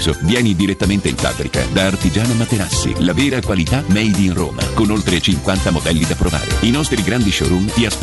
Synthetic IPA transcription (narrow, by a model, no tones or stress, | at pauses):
sovjɛːnid̪iɾet̪ːament̪eiɱfa̰bɾika̰d̪aːrt̪id͡ʒaːnamat̪enasːḭlavɛːɾakwalit̪amɛjd̪iːnro̰ːma̰konolt̪ɾet͡ʃiŋkwant̪amod̪ɛlːid̪apɾova̰ːɾḛinɔst̪ɾiɡɾand̪iʃɔ̰ɾumt̪ias